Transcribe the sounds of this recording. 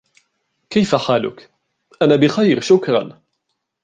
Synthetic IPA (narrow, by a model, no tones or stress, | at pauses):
kajfaħaːlʊ̰k | ʔanaːbɪxajɾʃʊkɾˤɑ̰n